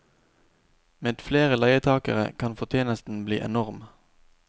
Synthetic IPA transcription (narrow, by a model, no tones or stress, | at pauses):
meːd̪̥fleːʁəlɑɪət̪ʰɑːkə̰ʁə̰kʰɑnfɔʁt̪ʰjeːnəst̪n̩blḭːʔɛ̰nɔʁm